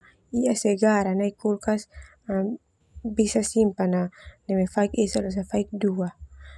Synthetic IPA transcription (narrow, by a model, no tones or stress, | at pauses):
iasɛɡaɾanaikulkas | a | bisasimpananɛmɛfaik̚esalɔs̬afaik̚dua